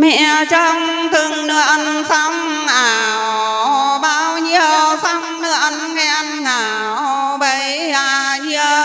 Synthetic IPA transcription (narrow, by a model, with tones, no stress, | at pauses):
mɛ̰˧˨t͡ɕɔ˧ŋt̪ɨ˨˩əŋnɨ̰˧˨əʔə˧˩nsa˧wŋ͡m | ʔaː˨˩wwɓaː˧wɲi˧əwsa˧wŋ͡mnɨ˧əʔə˧nŋɛ˧˩ʔa˧nŋaː˨˩ | wɓə˧˩j | aː˧˩ɲi˧ə